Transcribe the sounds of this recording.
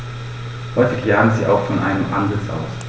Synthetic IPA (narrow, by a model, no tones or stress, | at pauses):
hɔʏfɪɡlaːdn̩zḭːʔa̰ʊxfɔnʔa̰ɪnəmʔa̰nzɪt͡sʔa̰ʊs